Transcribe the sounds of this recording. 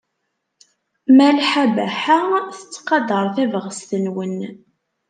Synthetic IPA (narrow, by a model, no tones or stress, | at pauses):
mælħæbæħaθət͡sːqɑd̪əɾˤθævəʁəst̪ənwən